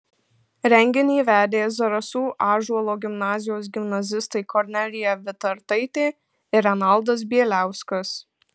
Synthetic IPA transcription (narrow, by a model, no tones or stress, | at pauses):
ɾʲɛŋʲɡʲɪnʲɛːʋʲæːd̪ʲeːjzɐɾɐsuːʔɑːʒuɔlˠoːɡʲɪmnɑːzʲɪjoːs̬ɡʲɪmnɐzʲɪst̪ɐɪkʰɔɾʲnʲɛlʲɪjɛʋʲɪt̪ɐɾt̪ɐɪt̪ʲeː | ɪɾɛnɐlˠd̪ɐs̬bʲiɛlʲæˑʊskɐs